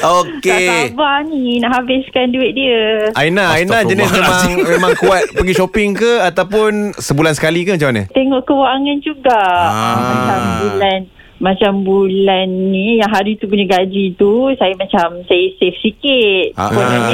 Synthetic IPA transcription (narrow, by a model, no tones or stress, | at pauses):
okeabaninaʔɦabɪskanduɪt̪̚diəainaainad͡ʒənɪsmemaŋmemãŋkuat̪̚pəɡiʃopɪŋkəat̪awpʊnsəbulansə̥kalikəmat͡ʃamanə̰t̪eŋɔʔkəwaŋand͡ʒuɡaʔãambulan | mat͡ʃambulanːijaŋɦaɾit̪up̬uɲaɡad͡ʒit̪usajamat͡ʃamsajəsɛfsikɪt̪̚a̰ua